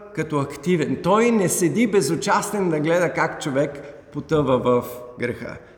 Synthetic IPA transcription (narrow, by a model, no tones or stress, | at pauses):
kɐt̪ɔɐkt̪ivɛnt̪ɔjnɛsɛd̪ibɛzot͡ʃast̪ɛnd̪ɐɡlɛd̪əkakt͡ʃovɛkpot̪əvəvɐfɡɾɛxə̰